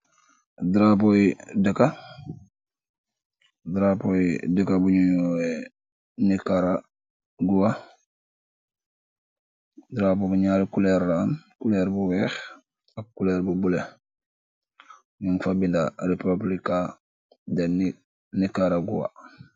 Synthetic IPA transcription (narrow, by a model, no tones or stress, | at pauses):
dɾapowidəka | dɾapowidəkabuɲuɲoe | nikaɾa | ɡuwa | dɾaːpobuɲaːlkuleɾːaːnkuleːɾbuwɛːx | akːuleːɾbubule | muŋfabindaɾepablika | deni | nikaɾaɡuwa̰